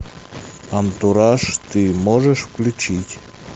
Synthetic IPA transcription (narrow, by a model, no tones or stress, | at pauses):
ant̪uɾaʂt̪ɨmoʒəʃklʲut͡ɕit̪ʲ